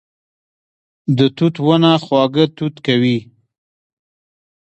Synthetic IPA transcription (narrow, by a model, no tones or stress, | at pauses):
d̪ət̪ut̪wənaxwɑɡət̪ut̪kawi